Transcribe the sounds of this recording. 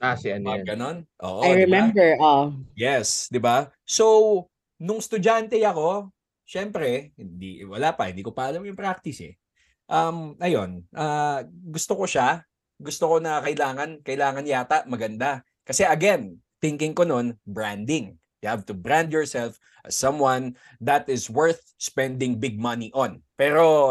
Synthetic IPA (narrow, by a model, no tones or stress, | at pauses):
asɛɐnɡɐnonʔo̰ːʔoajɹɛmɛ̃mbɛɹʔojɛsd̪ɪba | so | nʊŋst̪ʊd͡ʒant̪ɛjɐko̞ | ʃɛmpɾɛhɪnd̪ḭwɐlaːpɐ̰hɪnd̪iːkopɐʔɐlamjʊŋpɾak̚t̪ɪsɛ̰ | ʔɐmɐjo̞nʔaːɡʊst̪oko̞ʃa | ɡʊst̪oko̞nɐkɐʔɪlaːŋɐnkɐɪlaːŋɐnjaːt̪ɐʔmɐɡɐnd̪a | kɐsɛʔɐɡɛn | t̪ɪŋkɪŋkono̞nbɹand̪ɪŋ | jʊhavt̪ʊbɹãnd̪jɔɹsɛlf | ʔɐssːɐ̃mwan | ðɐt̪ɪzwɛɹθ | spɛ̃nd̪ɪŋbɪɡ̚mɐniʔonpɛːɾo̞